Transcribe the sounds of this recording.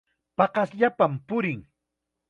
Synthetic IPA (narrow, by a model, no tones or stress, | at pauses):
pɑqɑsʎapampʊɾɪŋ